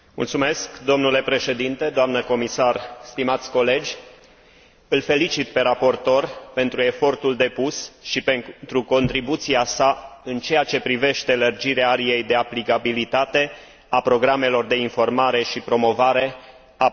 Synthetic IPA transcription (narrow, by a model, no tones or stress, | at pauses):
mṵlt̪sume̞skd̪o̞mnule̞pɾe̞ʃe̞d̪int̪e̞d̪oamnəko̞misarst̪imat̪sʲko̞le̞d͡ʒʲ | ɨlfe̞lit͡ʃit̪pe̞ɾapo̞rt̪o̞rpe̞nt̪ɾue̞fo̞rt̪uld̪e̞pusʃipent̪ɾuko̞nt̪ɾibut̪siasaɨnt͡ʃe̞jat͡ʃe̞pɾive̞ʃt̪e̞lərd͡ʒiɾeaaɾije̞jd̪e̞aplikabilit̪at̪e̞ | apɾo̞ɡɾame̞lo̞rd̪e̞info̞rmaɾe̞ʃipɾo̞mo̞vaɾe̞ | a